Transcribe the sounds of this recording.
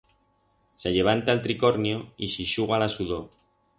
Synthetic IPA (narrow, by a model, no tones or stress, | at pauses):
seʎe̞β̞ant̪alt̪ɾiko̞ɾnjoisiʃuɣ̞alasuðo